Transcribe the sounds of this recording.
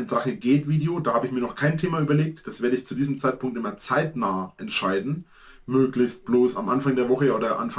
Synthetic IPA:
ntʁaχəɡeːtv̥iːdeodaːhaːbəɪçmiːɐnɔχkʰaɪntʰeːmaʔyːbɐleːk̚td̥asv̥eːɐdəɪçt͡sudiːzəmt͡saɪt̚pʰʊŋktʔɪmɐt͡saɪtnaːəʔɛntʃaɪdn̩ | møːklɪçst̚b̥loːsa̰mʔanfaŋdeːɐvɔχəoːdɐʔa̰nf

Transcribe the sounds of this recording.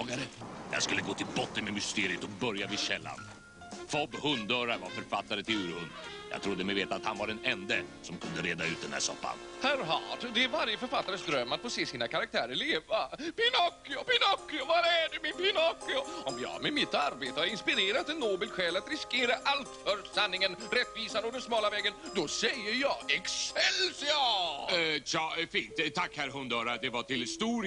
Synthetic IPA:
ɡaɾəjɑ̰ːɡskɵlːəɡoːt̪ʰɪlbɔt̪ːənmɛmʏst̪eːɾɪət̪ɔbœɾjavɪɕɛlːa̰n | fɔbhɵnd̪œːɾaɾvaɾfœɾfat̪ːaɾət̪ʰɪlʉːɾhɵnd̪jɑ̰ɡ̚t̪ʰɾʊd̪ːəmɛjveːt̪at̪hanvaɖɛnɛnd̪əsɔmkʰɵnd̪əɾeːd̪aʉ̟ːt̪̚d̪ɛnhæ̰ːʂɔ̰pːa̰nhæɾɦɑːʈd̪ɛæɾvaɾjəfœɾfat̪ːaɾəsd̪ɾœmːat̪foːseːsiːnakʰaɾak̚t̪ʰæːɾəɾɭeːvapɪnɔkːɪʊpɪnɔkːɪʊvaɾæɖɛmɪnpɪnɔkːɪʊɔmjɑ̰ːmɛmɪt̪ːaɾbeːt̪əhaɾɪnspɪɾeːɾat̪ɛnːoːbɛlɧɛːlat̪ɾɪskeːɾaʔalt̪fœɾsanːɪŋənɾɛt̪ːviːsanɔd̪ɛnsmɑːlavɛːɡənd̪ɔsɛjːəɾjɑːɡɛksɛlsɪɑ | jɑːfiːnt̪ʰːakːhæɾɦɵnd̪œːɾad̪ɛvaʈɪlhɪst̪uːɾ

